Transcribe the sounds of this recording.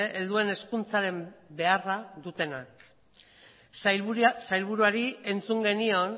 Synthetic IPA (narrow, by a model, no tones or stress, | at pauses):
eʔeld̪ue̞ne̞skunt͡saɾe̞mbe̞araðut̪e̞nak | sajlβuɾuaɾie̞nt͡suŋɡe̞nio̞n